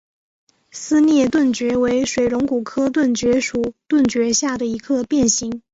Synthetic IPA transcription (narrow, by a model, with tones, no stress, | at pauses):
sɹ̩˥njɛ˥˧t̪wə˥˩nt͡ɕɥɛ˧˥we˧˥ɪʂwe˨˩ɪɻʊ˧˥ŋku˨˩kʰɤ˥t̪̬wə˥˩nt͡ɕɥɛ˧˥ʂu˨˩t̪wə˥˩nt͡ɕɥɛ˧˥ɕja˥˩d̪ə˩i˧˥kʰɤ˥˧pjɛ˥˩nɕi˧˥ŋ